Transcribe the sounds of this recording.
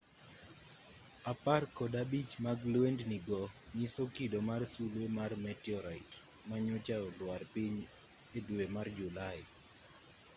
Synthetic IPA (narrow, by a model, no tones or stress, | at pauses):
aparkɔdabit͡ʃmaɡlwendniɡɔɲisokidomarsulwemarmɛtjɔɾaɪt | maɲʊt͡ʃaɔlwarpiɲ | edwemard͡ʒulaɪ